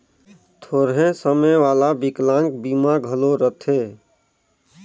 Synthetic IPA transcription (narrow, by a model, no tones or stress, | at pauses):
t̪ʰoːɾɦẽsəməjʋaːlabiklãŋk̚bimaɡʱəloɾət̪ʰe